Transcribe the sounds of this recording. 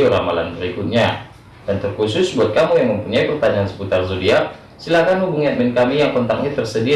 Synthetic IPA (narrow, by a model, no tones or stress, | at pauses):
oɾamalanbəɾikʊt̪̚ɲa | d̥ant̪ərkusʊsbuat̪̚kamujaŋməmpuɲaipərt̪aɲaːnsə̥put̪arzodia | silakanubuŋiat̪̚mɛnkamijaŋkɔnt̪ak̚ɲat̪ərsədi